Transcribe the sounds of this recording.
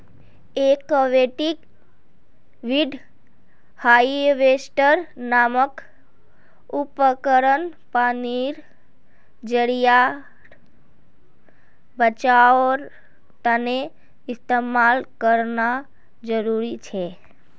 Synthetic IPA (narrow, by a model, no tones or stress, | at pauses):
ekəʋeʈik | ʋiɖʱ | haiʋesʈəɾnamək | upəkəɾənpaniɾ | d͡ʒəɽija | bət͡ʃaoɾ | t̪əne | ɪst̪emalkəɾna | d͡ʒəɾuɾit͡ʃʰe